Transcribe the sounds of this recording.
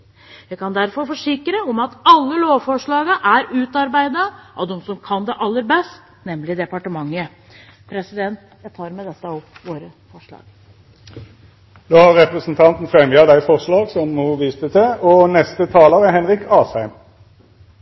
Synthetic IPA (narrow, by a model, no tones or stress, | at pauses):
ʋæɪkɑnd̪æɾfɔɾfɔʂɪkɾəɔmɑt̪ɑlːəloːʋfɔʂɭɑːɡəʔæɾʉːt̪ɑɾbæɪd̪əʔɑʋd̪ɔmsɔmkʰɑnd̪ɛʔɑlːəɾbɛst̪ | nɛmlɪd̪ɛpɑʈəmɑŋːə | pʰɾɛsɪd̪ɛnt̪ | jæt̪ʰɑːɾmɛd̪ɛt̪ːəɑɔmʋoːɾə | fɔʂɭɑ̰ːɡ̥ | d̪oːhɑʁʁɛpɾəsnt̪ʰɑnt̪n̩fʁɛmjɑd̪æɪfɔʁʂɭɑːɡsɔmːoːʋiːst̪ət̪ɛɔnɛst̪ət̪ʰɑːləʁəɦɛnʁɪkʰɑːshæɪm